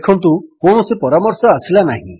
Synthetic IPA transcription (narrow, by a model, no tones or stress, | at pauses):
ekʰɔnt̪ukoɳɔsepɔɾamɔɾsɔasilanaɦḭ̃